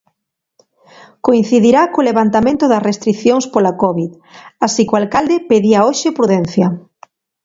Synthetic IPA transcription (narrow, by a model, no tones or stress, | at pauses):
koin̟θiðiɾakoleβant̪amẽnt̪ʊðɐsrest̪ɾiθjoŋspolakɔβið | asikoalkald̪epeðiaoʃepɾuðɛn̟θjɐ